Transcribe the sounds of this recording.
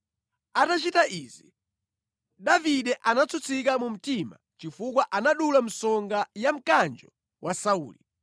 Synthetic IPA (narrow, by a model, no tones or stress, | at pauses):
atat͡ʃitaʔiːzi | ɗaviɗɛʔanat͡sʰut͡sʰikamum̩tima̰ | t͡ʃifukwaʔanaɗulam̩sɔŋɡajam̩kand͡ʒɔ | wʔasauːli